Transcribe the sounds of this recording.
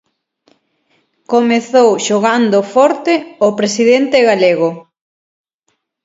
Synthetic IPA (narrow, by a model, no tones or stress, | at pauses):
komeθowʃoɣand̪ofɔɾt̪eopɾesiðent̪eɣaleɣo